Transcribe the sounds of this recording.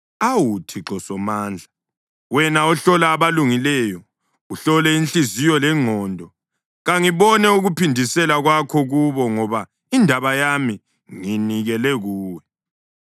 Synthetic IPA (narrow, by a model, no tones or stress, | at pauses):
awutʰiǁɔsɔmaːnd͡ɮʱa | wɛnaɔɬɔlaːβaluŋilɛjɔ | uɬɔlɛint͡ɬizijɔlɛŋ͡ǃʱɔːndʱɔ | ɣaŋiβɔnɛuɣupʰindʱisɛlaɣwakʰɔɣuβɔŋɔβa | indʱaβajami | ŋiniɣɛlɛɣuːwɛ